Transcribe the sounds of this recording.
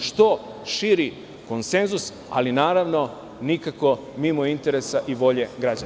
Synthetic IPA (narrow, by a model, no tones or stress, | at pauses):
ʃt̪o̞ | ʃiːɾi | ko̞nse̞nzus | a̰linaːɾaʋno̞ | nikako̞ | mimoint̪e̞ɾe̞saʔiʋo̞ʎe̞ɡɾad͡ʑan